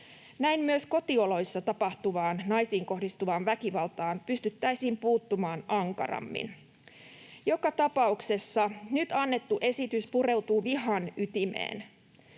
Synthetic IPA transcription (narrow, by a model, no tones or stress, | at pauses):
næimmyøsko̞t̪io̞lo̞jsːɑt̪ɑpɑht̪uʋɑːnnɑjsiːŋko̞hdist̪uʋɑːnʋækiʋɑlt̪ɑːnpyst̪yt̪ːæjsiːmpuːt̪ːumɑːnɑŋkɑ̰rɑ̰mːḭn | jo̞kɑt̪ɑpɑukse̞sːɑnyt̪ɑnːe̞t̪ːuʔe̞sit̪yspuɾe̞uwt̪uːʋiɦɑnyt̪imḛːn